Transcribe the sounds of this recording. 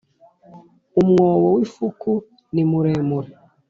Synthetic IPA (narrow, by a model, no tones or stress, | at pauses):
umŋoːβowifuku | nimuɾeːmuɾe